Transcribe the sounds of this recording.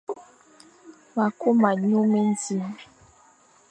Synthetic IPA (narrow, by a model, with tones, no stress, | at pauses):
ma˨ko˦ma˨ɲo˦me˦n˦di˦m